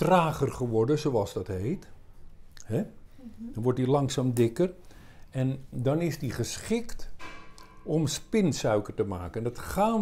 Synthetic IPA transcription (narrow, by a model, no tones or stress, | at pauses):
traːχərχəʋɔɹdəzowɑlˠzdɑtɦejt | hɛ | dɑnʋɔɹt̚dilɑŋsaːmdɪkər | ɛndɑnɪzdiχəsχɪkt | ɔmspɪnsœɥkərtəma̰ːkəndɑtχaːn